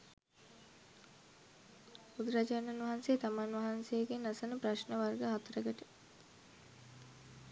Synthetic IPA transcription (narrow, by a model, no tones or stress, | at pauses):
ud̪ɾad͡ʒanɐnʋɐɦanset̪amanʋɐɦansejeɡenːasənəpraʃnəʋarɡəɦat̪əɾəɡəʈə